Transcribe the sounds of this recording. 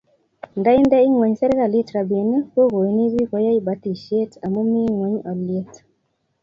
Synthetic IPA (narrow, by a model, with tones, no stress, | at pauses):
nda˦ɪ˦ndɛ˦ɪ˦ŋwo˨ɲsɛ˦ɾka˨li˦tɾa˨be˨ni˦ko˦ɣo˨i˨ni˦wi˦kɔ˦ja˦i˦ba˨˦ti˨ʃe˦ta˨mo˦mi˦ŋwo˨ɲɔ˨lje˦t